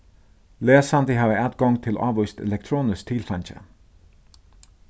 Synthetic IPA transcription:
leːsand̪əɦaːʋəæt̪̚ɡ̥ɔŋt̪ʰɪlʔɑ̰ːʋɔst̪ɛ̰lɛk̚t̪ʰɾoːnɪs̚t̪ʰɪlfant͡ɕə̰

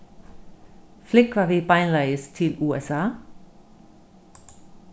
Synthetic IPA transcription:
fleɡ̥ʋɑ̈ʋe̝b̥ɑɪnlæɪəst͡sʰe̝luːesɑ̰ː

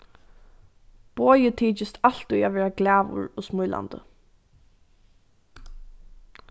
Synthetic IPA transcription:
b̥oːjɪt̪ʰiːt͡ʃɪst̪al̥t̪ʊjaʋɛːɹaɡlæːʋʊ̰ɹɔsmʊjlʔa̰nt̪ə̰

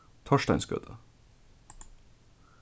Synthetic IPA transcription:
t̪ʰɔʃʈæɪnsɡø̰ːt̪ʰə

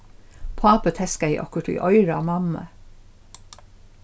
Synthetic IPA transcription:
pʰɑːpət̪ʰɛskæɪʔɔ̰kəʈḭːʔɔʏɹɑmɑmə̰

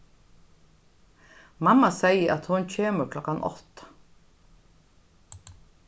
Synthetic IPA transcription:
mamːasɛjəʔat̪hʊncʰeːməɾkʰlɔkanʔɔ̰t̪

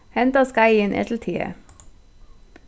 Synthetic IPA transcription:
hɛnt̪ɑskɑɪiːeːnʔɛ̰t̪l̩t̪ʰiːə̰

